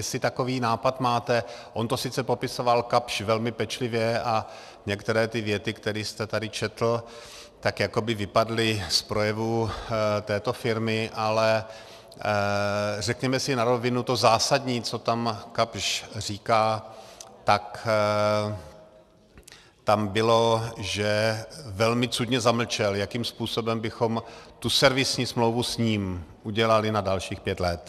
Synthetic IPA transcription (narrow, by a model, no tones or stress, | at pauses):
jɛsɪt̪ako̞viːnaːpat̪maːt̪ɛʔo̞nt̪o̞sɪt͡sɛpo̞pɪso̞valkapʃvɛlmɪpɛt͡ʃlɪvjɛa | ɲɛkt̪ɛɾɛːt̪ɪvjɛt̪ɪkt̪ɛɾiːst̪ɛt̪adɪt͡ʃɛt̪l̩ | t̪akjako̞bɪvɪpadlɪspɾo̞jɛvut̪ɛːt̪o̞fɪɾmɪʔalɛ | rɛkɲɛmɛsɪnaɾo̞vɪnut̪ozaːsadɲiːt͡so̞t̪amkapʃr̝iːkaː | t̪ak | t̪ambɪlo̞ʒɛvɛlmɪt͡sudɲɛzaml̩t͡ʃɛljakiːmspuːso̞bɛmbɪxomt̪usɛɾvɪsɲiːsmlowvusɲiːmʔuɟɛlalɪnadalʃiːxpjɛt̪lɛt̪